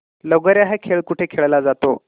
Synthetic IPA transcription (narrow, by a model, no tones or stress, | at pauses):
ləɡəɾjaɦekʰeɭkuʈʰekʰeɭlad͡zat̪o̰